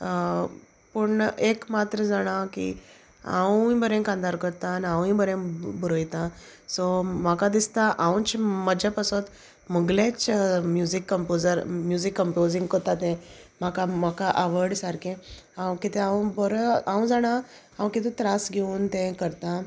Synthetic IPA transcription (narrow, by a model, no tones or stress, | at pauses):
pəɳekmat̪ɾəd͡zaɽ̃akḭ | ã̰wĩbʱəɾẽkãnd̪aɾkəɾt̪anãʋĩbəɾẽbəɾojt̪ã | sɔm̤akad̪ist̪aʔaw̃t͡ɕməd͡ʑapasɔt̪ | məɡlẽt͡smjuzikːəmpod͡zəɾmjud͡zikːəmpod͡zĩŋɡkɔɾt̪at̪ɛ̃m̤akam̤akaʔaʋəɽsaɾkʰẽ | ãw̃kit̪ʰɛ̃ãw̃bɔɾãw̃d͡zaɽ̃a | aw̃kit̪et̪ɾasɡʱeunt̪ɛ̃kəɾt̪ã